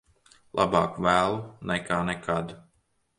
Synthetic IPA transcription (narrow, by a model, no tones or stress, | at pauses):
lˠʔa̰bɑːkvæːlˠunɛkaːnɛkʰad̪